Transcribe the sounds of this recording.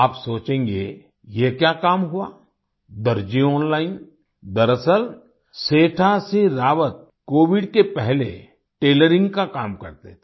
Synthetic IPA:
aːpsoːt͡ʃẽːŋɡe | jekjakaːmɦʊa | d̪ɐɾd͡ʒiɔ̃ːnlaːɪn | d̪ɐɾəsəɾ | seːʈʰaseɾaːʋət̪̚ | koːʋɪɖkepɛɦlḛ | ʈeːləɾɪ̃ŋɡkakaːmkɐ̰ɾt̪et̪ʰe

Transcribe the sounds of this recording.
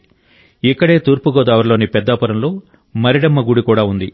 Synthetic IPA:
ikːɐɽe̞ːt̪uːɾpuɡɔːd̪aːʋɐɾlo̞ːnipɛd̪ːaːpɐɾɐmlo̞ː | mɐɾiɽɐmːɐɡuɽikuːɽaːund̪i

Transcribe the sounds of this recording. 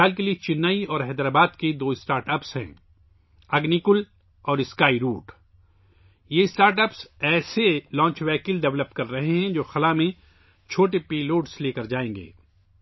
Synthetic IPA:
aːlk̬eliet͡ʃɪnːaːiɔːɾɦɛːd̪ɾaːbaːd̪ked̪oːɪsʈaːɾʈəpsɦɛ̰̃ː | ɐɡnikʊl | ɔːɾɪskaːiɾuːʈ | jeɪsʈaːɾʈəpsɛːselɔ̃ːɲt͡ʃʋɛːkɪlɖɛʋləp̚kɐɾːɐɦeɦɛ̃d͡ʒoːxɐlamẽ | t͡ʃʰoːʈepiːloːʈsleːkɐɾd͡ʒaːẽːŋɡḛː

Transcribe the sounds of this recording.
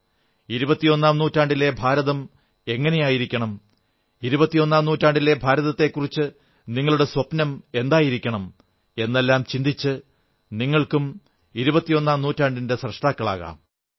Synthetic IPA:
iɾubɐt̪ːijo̞nːaːmnuːtːaːɳɖile̞bʱaːɾɐðɐm | e̞ŋːɐne̞jaːjiɾikʲːɐɳɐm | iɾubɐt̪ːio̞nːaːmnuːtːaːɳɖile̞bʱaːɾɐðɐt̪ːe̞kːurit͡ɕːɨ | niŋːɐɭuɽe̞swɐpnɐme̞nd̪aːjiɾikʲːɐɳɐm | e̞nːe̞lːaːmt͡ɕind̪it͡ɕːɨ | niŋːɐɭkum | iɾubɐt̪ːijo̞nːaːmnuːtːaːɳɖinde̞srɐʂʈaːkːɐɭa̰ːɣa̰ːm

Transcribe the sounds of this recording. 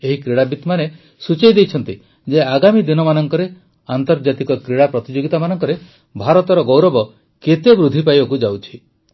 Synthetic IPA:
eɦikɾiɽabit̪mane | sut͡ʃejd̪ejt͡ʃʰɔnt̪i | d͡ʒeaɡamid̪inɔmanɔŋkɔɾe | ant̪ɔɾd͡ʒat̪ikɔkɾiɽapɾɔt̪id͡ʒoɡit̪amanɔŋkɔɾe | bʱaɾɔt̪ɔɾɔɡowɾɔbɔ | ket̪ebɾud̪ʱipajbakud͡ʒawt͡ʃʰi̥

